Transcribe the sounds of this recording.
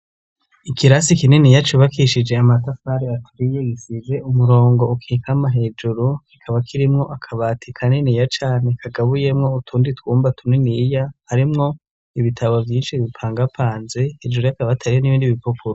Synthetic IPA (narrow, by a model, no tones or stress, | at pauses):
ikiɾasikinenijat͡ʃuβakʰiʃid͡ʒe̞amatafaɾeatʰuɾijeɡisize̞umuɾo̞ːŋɡo̞ukʰiːkʰamaɦe̞d͡ʒuɾukikʰaβakʰiɾimŋo̞ʔakʰaβatʰikʰaneniːjat͡ʃaːne̞kʰaɡaβuje̞mŋo̞utʰuːnditwuːmbatʰunenijahaɾimŋo̞ | iβitʰaβovjiːnʃiβipʰaːŋɡapʰaːnze̞he̞d͡ʒuɾujakaβatʰaɾieniβiːndiβipupuɾo